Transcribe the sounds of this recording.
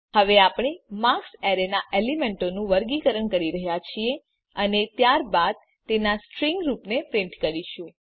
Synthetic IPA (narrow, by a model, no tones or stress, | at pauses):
həʋeapɳ̃emakseɾenaʔelimeɳʈonũʋəɾɡikəɾəɳkəɾiɾəɦjat͡ʃʰie | ənet̪jaɾbad̪̚ | t̪enasʈɾiŋɡɾupnepɾɪɳʈkəɾiʃũ